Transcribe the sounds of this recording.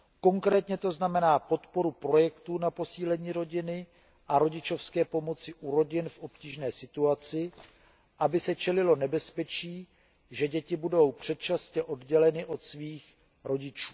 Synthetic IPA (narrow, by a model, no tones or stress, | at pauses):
ko̞ŋkɾɛːt̪ɲɛt̪o̞znamɛnaːpo̞t̪po̞ɾupɾo̞jɛkt̪uːnapo̞siːlɛɲiːɾo̞ɟɪnɪ | ʔaɾo̞ɟɪt͡ʃo̞fskɛːpo̞mo̞t͡sɪʔuɾo̞ɟɪnfʔo̞pciːʒnɛːsɪt̪uat͡sɪ | ʔabɪsɛt͡ʃɛlɪlo̞nɛbɛspɛt͡ʃiː | ʒɛɟɛcɪbudo̞wpr̝̥ɛt̪̚t͡ʃascɛʔo̞dɟɛlɛnɪʔo̞t̪sviːx | ɾo̞ɟɪt͡ʃuː